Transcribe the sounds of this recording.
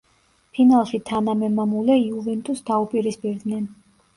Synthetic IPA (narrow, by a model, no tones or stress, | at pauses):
pʰinalˠʃit̪ʰanamɛmamulɛiuvɛnt̪ʼusd̪aupʼiɾispʼiɾd̪nɛn